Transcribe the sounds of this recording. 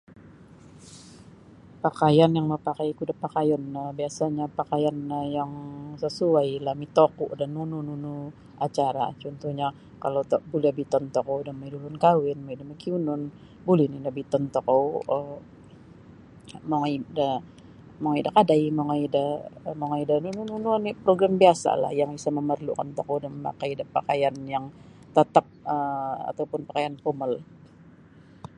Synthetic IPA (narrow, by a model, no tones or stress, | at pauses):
pakajanjaŋməpakajkudapakajanəbiasaɲapakajanjaŋsəsuajlahmit̪okuʔdanːunununu | at͡ʃaɾa̰t͡ʃɔnt̪uhɲa | kalowt̪bulɛbit̪ɔnt̪ɔkɔwdamaidulʊnkawɪnmaidamakiunʊn | bulɪnindabit̪ɔnt̪ɔkɔwə | maŋida | maŋaidakadajmaŋaidamoŋaidanununununipɾoɡɾambiasa̰la̰hjaŋisaməmərlṵkant̪ɔkɔwdaməma̰kajidapakajanjaŋ | t̪ət̪ap̚əa̰t̪awpʊnpakajanpoməl